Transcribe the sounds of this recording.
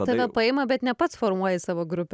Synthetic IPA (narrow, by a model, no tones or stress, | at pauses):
ɐʋʲɛpɐɛɪmɐbʲɛt̪nʲɛpɐt̪sfoɾmuɔjɛsɑːʋoːɡɾʊpʲ